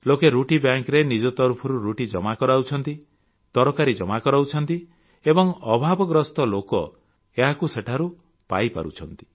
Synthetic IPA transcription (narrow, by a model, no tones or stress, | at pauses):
lokeɾuʈibjaŋkɾenid͡ʒɔt̪ɔɾpʰɔɾuɾuʈid͡ʒɔmakɔɾawt͡ʃʰɔnt̪i | t̪ɔɾɔkaɾid͡ʒɔmakɔɾawt͡ʃʰɔnt̪i | ebɔŋɔbʱabɔɡɾɔst̪ɔlokɔ | eɦakuseʈʰaɾu | pa̰jpa̰ɾṵt͡ʃʰɔnt̪i̥